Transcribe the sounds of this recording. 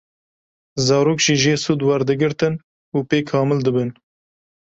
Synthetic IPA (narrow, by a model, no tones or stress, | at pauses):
zɑːɾoːkʒiːʒeːsuːd̪wɛɾd̪ɨɡɨɾt̪ɨn | uːpeːkʰɑːmɨld̪ɨbɨn